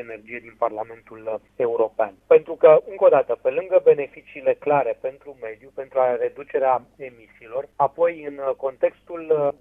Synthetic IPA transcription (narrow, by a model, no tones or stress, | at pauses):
ene̞rd͡ʒijed̪inparlame̞nt̪ul | e̞uɾo̞pea̰npe̞nt̪ɾukəɨŋko̞d̪at̪əpe̞lɨŋɡəbe̞ne̞fit͡ʃiːle̞klaɾe̞pe̞nt̪ɾume̞d̪jupe̞nt̪ɾuare̞d̪ut͡ʃe̞ɾeae̞misiːlo̞rapo̞jɨnko̞nt̪e̞kst̪ul